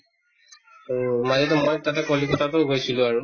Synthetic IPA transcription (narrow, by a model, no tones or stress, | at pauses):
mazɛt̬ɛmojtatɛkolikɔtʰatoɡojsʰilʊ̃aɹu